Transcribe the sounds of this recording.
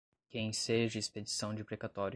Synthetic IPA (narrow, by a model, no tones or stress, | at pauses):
kẽj̃seʒɐisped͡ʒisɐ̃w̃d͡ʒɪpɾekat̪ɔɾ